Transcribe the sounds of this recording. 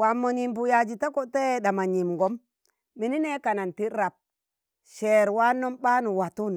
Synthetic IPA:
wa˨mːo˨ni˨mbu˨ja˨d͡ʒi˨ta˦ko˦te˦˨ɗa˨ma˨ɲi˨mŋɡo˦m | mi˨ni˦ne˦ka˨na˨nti˦ɾɾa˨p̚ | ʃe˨ɾwa˦no˦mɓa˦nu˨wa˨tu˦n˨

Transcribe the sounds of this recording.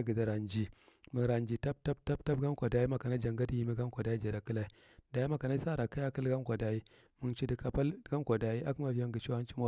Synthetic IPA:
ɡi˨da˨ɾa˨nd͡ʒi˨mə˨ɾa˨nd͡ʒi˨ta˦b̚ta˦bta˦b̚ta˦b̚ɡa˦m˦kʷa˨da˨˦ji˦ma˨ka˨na˦d͡ʒa˨ŋɡa˦di˦ji˨˦mi˦ɡa˦m˦kʷa˨da˨˦i˦d͡ʒe˨ɾa˨ki˦la˦i˦ | da˨ji˦ma˨ka˨na˦sa˦ɾa˨ka˦ja˦ki˦lɡa˦mkʷa˨da˨ji˦ | mu˨nt͡ʃi˦di˨ka˨pa˦lɡa˦mkʷa˨da˨ji˦ʔa˦kma˨vi˦ja˦ŋɡi˨t͡ʃi˦a˦nt͡ʃi˦ma˦

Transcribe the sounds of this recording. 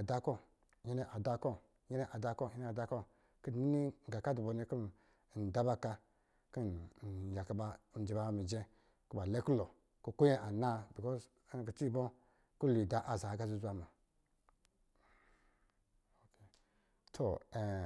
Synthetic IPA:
a˨da˦ko˦ | je˦ne˦ʔa˨da˦ko˦ | je˦ne˦ʔa˨da˧ko˦˨je˦ne˦˨da˦ko˦ | ki˦˨ni˦ni˦˨ɡa˨ka˦du˨bo˨ni˦ki˦n˨ | n̩˨da˦ba˦ka˧ | ki˦n˨ja˨ka˦ba˧˨d͡ʒi˨ba˦mi˨d͡ʒe˦ | ku˦ba˨le˦ku˦lo˨ | ku˦ko˦je˦ʔa˨na˦bi˨kɔ˦z | ki˨t͡ʃi˦bo˦ | ku˦lu˨da˨ʔa˨za˨˦ɡa˦zu˦za˨ma˨ | o˨ke˨ | tʰo̰˨e˨

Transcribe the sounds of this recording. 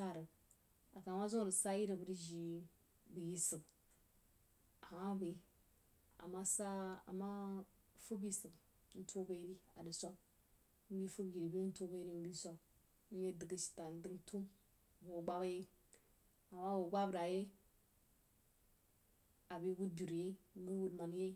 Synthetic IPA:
ta˦˨ɾə˨ | a˨ka˨ma˦zo˦ɾə˨sa˦ji˦ɾi˨bə˨ɾi˦ʒi˨ | bi˨ji˦sɨ˨b | a˨ma˦bi˨˦ | a̰˨ma˦sa˦a̰˨ma˦fu˦bi˦sɨ˨b | n̩˦tʰo˦ba˦ɾi˦a˨di˨sʷa˦b̩˦ | bi˦fu˦bji˨ɾi˨be˦n̩˦to˦ba˦ɾi˦n˦bi˦sa˦ | n̩˦je˦di˨ɡi˦ʃi̥˨ta˨n˦di˦ɡtʰu˦m˨ | wo˨ɡ͡ba˦wa˦je˦ | a˨ma˦wo˨ɡʷa˦bɾa˨je˦ | a˨bi˦wu˦d̚bi˨ɾu˨je˦ɡi˦wu˦dma˨n˦je˦

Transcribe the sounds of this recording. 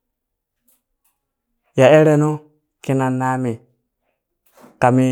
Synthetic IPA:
ja˨e˦ɾe˦no˦ | ki˦na˨na˦mi˨ | ka˨mi˦

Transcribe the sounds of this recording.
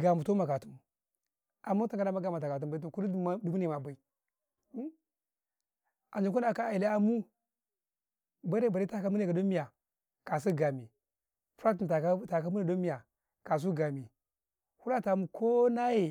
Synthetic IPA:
ɡa˨mu˨to˦ma˨ka˨tu˦m˨ | a˨mu˦ta˦ŋka˦na˦ma˦ɡa˨ma˨ta˨ka˨t̬u˦mba˨i˦to˨ku˦ldu˨mu˦ni˨ma˨ba˨i˨˦ | a˨n˨d͡ʒi˨k̬u˦na˨ka˦a˨i˨la˦a˨mu˦ | ba˦ɾe˦˨ba˨ɾi˦ta˦ka˦mu˦ne˨a˨do˦mi˦ja˨ | ka˨s̬i˦ɡa˨mi˨ | fɾa˦tu˨a˨˦ta˨ka˦mu˦ni˦˨do˦mi˦ja˨ | ka˨s̬u˦ɡa˨mi˨ | hu˦la˦ta˨mu˨ko˦na˦je˨

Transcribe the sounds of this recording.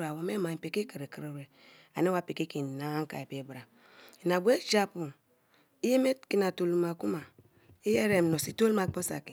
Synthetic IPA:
a˨wo˨me˦ma˨pe˨ke˦ke˨ɾe˨kɾe˨ɾe˨ | a̰˨ne˦wa˦pe˨ke˦ki˨na˨˦ŋ˦ka̰˨e˨pe˨˦bɾa˨ | i˨n˨a˨bu˦e˦d͡ʒa˦pu˨n | i˦je˦me˦ki˨na˨to˨lu˨ma˨ku˦ma˨ | i˦je˦ɾe˨m˨o˨si˦to˦lma˨k͡po˦sa̰˨ki˨

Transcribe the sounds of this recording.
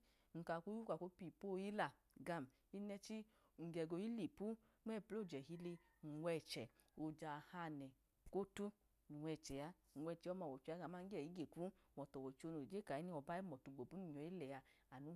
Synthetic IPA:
ŋ̩˨ka˨ku˦u˦ka˨ko˦pi˨po˦˧˨ji˦la˨ | ɡa˧˨m | i˦nɛ˧t͡ʃi˦ | ŋ̩˨ɡɛ˨ɡo˧ji˦li˨pu˦ | ɛ˦˨plo˦˨d͡ʒɛ˨hi˧˦le˧ | ŋ̩˨wɛ˧˨t͡ʃɛ˨ | o˧d͡ʒa˨ha˧nɛ˨ | ko˦tu˦ | nu˨wʷɛ˧˨t͡ʃɛ˨ja˦ | n̩˨wɛ˧˨t͡ʃɛ˨˦ɔ˦ma˧˨wɔ˨t͡ʃu˧˦a˨˦ɡa˨ma˦ŋ̩˦ɡɛ˦˨i˨˦ɡe˨ku˦wɔ˨tɔ˨wɔ˨t͡ʃo˧no˨d͡ʒe˦ka˨i˨˦ni˦ɔ˨ba˦i˦mɔ˨tu˧˨ɡ͡bo˨bu˨˦nu˦˨ɲ˨ɔ˨˦i˦lɛ˨ja˧ | a˨nu˨˦

